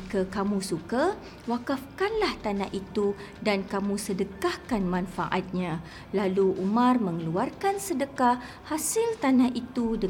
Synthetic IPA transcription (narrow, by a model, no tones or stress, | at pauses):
kakamũsuka | wakafkanlaht̪anaɦʔit̪u | dankamũsədəkahkanmãnfa̰ʔat̪̚ɲã | laluʔumãrmə̃ŋəluarkansədəka | hasɪlt̪anaɦʔit̪udə